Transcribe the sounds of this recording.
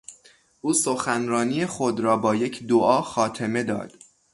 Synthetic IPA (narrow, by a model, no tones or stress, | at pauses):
ʔuːsoxænɾɒːnijexod̪ɾɒːbɒːje̞cʰd̪oʔɒːxɒːt̪ʰe̞me̞d̪ɒ̰ːd̪̥